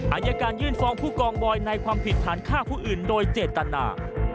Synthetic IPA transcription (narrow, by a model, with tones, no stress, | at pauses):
ʔaː˧˩jaː˧kaː˧njɯː˥˩nfɔː˧ŋpʰuː˥˩kɔː˧ŋbɔː˧jna˧jkʰwaː˧mpʰi˨˩t̪ʰːaː˩˦nkʰaː˥˩pʰuː˥˩ʔɯː˨˩ndoː˧jt͡ɕeː˨˩t̪ːa˧na̰ː˧